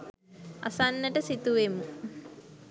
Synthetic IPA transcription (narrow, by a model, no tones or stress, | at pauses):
a̰sanːəʈəsit̪uʋemu